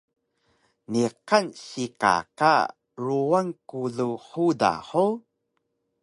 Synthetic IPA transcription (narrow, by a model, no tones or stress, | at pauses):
niqanɕika̰ka̰ | ɾuaŋkuɮuħuda̰ħo